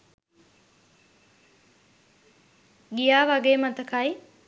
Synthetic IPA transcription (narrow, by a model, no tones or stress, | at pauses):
ɡijaːʋɐɡeːmɐt̪ɐkɐj